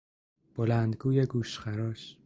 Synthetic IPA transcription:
b̥olænd̪ɡuːjeɡuːʃxæɾɒːʃ

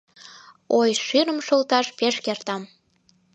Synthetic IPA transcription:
ojʃyɾəmʃolt̪ɑʃpeʃkert̪ɑm

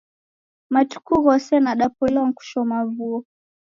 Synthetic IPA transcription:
matu̥kuɣɔsɛnaɗapɔlɔŋ̩ku̥ʃɔmavuɔ

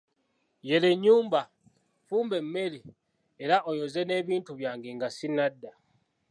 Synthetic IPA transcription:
je̞leɲːuːmba | fuːmbe̞mːe̞li | e̞ɾaʔo̞jo̞ze̞ne̞ːβiːntuβjaːŋɡeŋɡasinːadːa

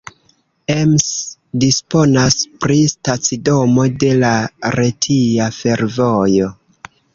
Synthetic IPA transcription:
emsdispo̞naspɾistat͡sido̞mo̞de̞laɾe̞tʰiafe̞ɾvo̞jo̞

